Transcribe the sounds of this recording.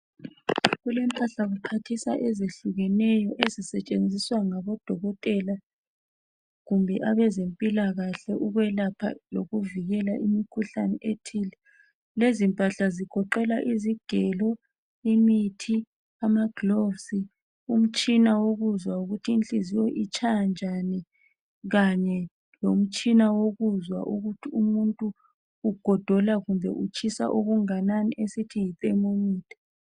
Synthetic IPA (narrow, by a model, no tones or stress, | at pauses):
ɣulɛmpʼaɬaɣupʰatʰisa̰ʔɛzeɬuɣɛnɛjɔʔezisɛt͡ʃʼend͡zʱiswaŋaβɔd̥ʱɔɣɔtʼɛla | ɣumbʱɛʔaβɛzempʼilaɣaɬɛʔuɣwɛlapʰa̰loɣuviɣɛlaʔimikʰuɬa̰nɛʔetʰiːlɛ | lezimpʼaɬaziɡ̥ʰʱɔǃɛlaʔiziɡ̥ʱɛlɔ | emitʰi | amaɡ̥lovsi | um̩t͡ʃʼinawoɣuzwauɣutʰiːnt͡ɬʼizijoʔit͡ʃʰʼajand͡ʒʱanɛ | ɣaɲɛ | lom̩t͡ʃʼinawoɣuzwa̰ʔuɣutʰiumuntʼuː | ɡ̥ʱɔd̥ʱɔlaɣumbʱɛ̰ʔut͡ʃʰʼisa̰ʔoɣuŋananiʔesitʰijitʼɛmoniːtʰʼɛ̥